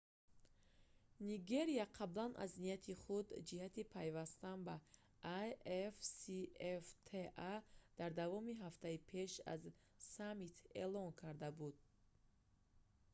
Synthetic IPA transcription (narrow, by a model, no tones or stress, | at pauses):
niɡe̞ɾiaqʰablanʔa̰znijat̪ʰiχud̪d͡ʒihat̪ipʰajvast̪anba | ajefsieft̪ʰead̪̥aɾd̪avɔmiɦaft̪ʰaipʰe̞ʃa̰z | samit̪ʰelɔŋkʰaɾd̪abud̪̚